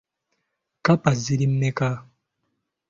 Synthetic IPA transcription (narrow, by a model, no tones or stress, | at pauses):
kapaziɾim̩mɛka